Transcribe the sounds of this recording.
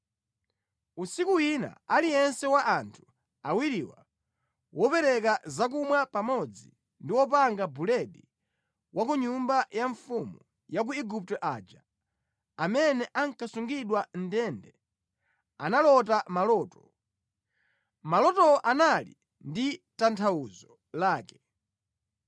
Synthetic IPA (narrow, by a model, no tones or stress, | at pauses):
usikuwina̰aliɛnsɛwaʔantʰu̥ | awiɾiwa̰ | wɔpɛɾɛkazak̬umwapamɔd͡zḭ | ndiwɔp̬aŋɡabulɛɗi | wʔakuɲumbajaɱfumu | jak̬uɛɡup̚tɔʔad͡ʒa | amɛnɛʔaŋ̩kasuŋɡiɗwan̩dɛndɛ | analɔtamalɔːtɔ | malɔtɔʔanali | nditantʰauzɔ | laːkɛ̥